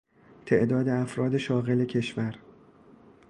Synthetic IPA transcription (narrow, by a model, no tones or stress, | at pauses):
t̪ʰe̞ʔd̪ɒːd̪e̞æfɾɒːd̪e̞ʃɒːɣe̞le̞cʰe̞ʃvæɾ